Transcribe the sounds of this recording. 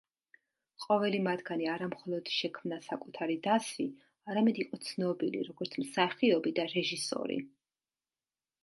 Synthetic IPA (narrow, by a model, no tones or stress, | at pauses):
qʼɔvɛlimad̪ɡaniaɾamχɔlˠɔd̪̥ʃɛkʰmnasakʼut̪ʰaɾid̪asi | aɾamɛd̪iqʼɔt̪sʰnɔbilḭɾɔɡɔɾt̪sʰmsaχiɔbid̪aɾɛʒisɔ̰ɾḭ